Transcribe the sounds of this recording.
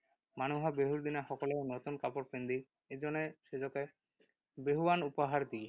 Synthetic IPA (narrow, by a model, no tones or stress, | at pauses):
manuɦɔbeɦuɾd̪inaxɔkɔlenot̪unkapɔɾpend̪i | ed͡ʒɔneʃed͡ʒɔke | beɦuwanupɔɦaɾd̪i